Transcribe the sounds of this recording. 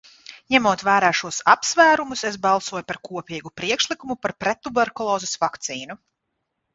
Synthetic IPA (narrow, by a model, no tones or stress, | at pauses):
ɲɛmuɔt̪væːɾaːʃuɔsapsvæːɾumuses̬bɑlˠsuɔjpaɾkuɔpʲiːɡupɾiɛkʃlˠikumupaɾpɾɛt̪ːubɛɾkulˠɔːzɛsvakt̪siːnu